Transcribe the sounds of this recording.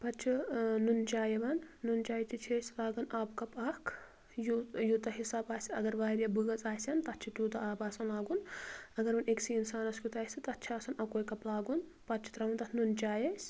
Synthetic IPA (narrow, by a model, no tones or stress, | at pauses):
pɐt͡ʃʰinunt͡ʃaːjɐbɐnːunt͡ʃaːjt̪it͡ʃʰeːsʲlaːɡɐnaːbkɐpaːkʰ | jujut̪ɐɦisaːbaːsʲiɐɡɐɾʋaːɾjɐbɨɡɐt͡saːsʲɐnt̪ɐt̪t͡ʃʰit̪juːt̪ɐaːbaːsɐnlaːɡunɐɡɐɾunʔeksiinsaːnɐskʲut̪aːsɐt̪ɐtːt͡ʃʰiaːsɐnɐkoːjkɐplaːɡun | pɐt̪t͡ʃʰi̥t̪ɾɐunt̪ɐt̪ʰnunt͡ʃaːjesʲ